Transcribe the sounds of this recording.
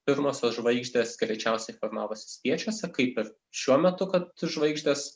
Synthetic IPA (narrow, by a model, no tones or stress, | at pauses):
pʲɪɾmoːsʲoːsʒʋɐɪɡʒʲd̪ʲeːsɡɾʲɛɪt͡ʃʲɛʊsʲɛɪfoɾmɑːʋoːsʲɪ̥sʲpʲiɛt͡ʃʲuːsʲɛkɐɪpɪɾ | ʃʲuɔmʲɛt̪ʊkɐt̪ʒʋɐɪɡʒʲd̪ʲeːs